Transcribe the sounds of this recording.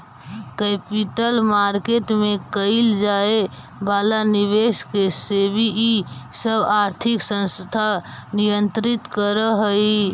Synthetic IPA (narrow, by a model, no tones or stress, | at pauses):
kɛpiʈəlmaɾkeʈmekəɪld͡ʒae | balaniβeskesebʱiːsəbaɾt̪ʰiksə̃nst̪ʰanijənt̪ɾit̪kəɾəɦəi